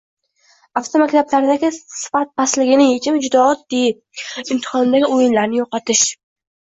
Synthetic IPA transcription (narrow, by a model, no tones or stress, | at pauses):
aft̪ʰomakʲt̪ʰablaɾd̪aɡʲɪsɪ̥fat̪̚bʰaslɪɡʲɪnɪjet͡ʃʰɪmd͡ʒʊd̪ɒɒd̪̚ːejɪp̚ | ɪmt̪ʰɪ̥hɒnd̪aɡʲɪojɪnlaɾnɪjoqɑt̪ʰɪʃ